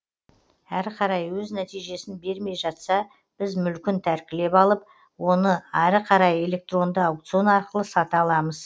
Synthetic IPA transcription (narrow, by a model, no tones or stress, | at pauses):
æɾqʰɑɾɑjwɵznæt̪ijʒe̞sɪnbe̞ɾme̞jʒɑt̪sɑ | b̥ɪzmʏlkʲɪnt̪ʰæɾkʲɪle̞pɑlˠəp̚ | wo̞nəɑɾəqʰɑɾɑje̞le̞k̚t̪ro̞nd̪əawkt̪sio̞nɑɾqəlˠəsɑt̪əɑlˠɑməz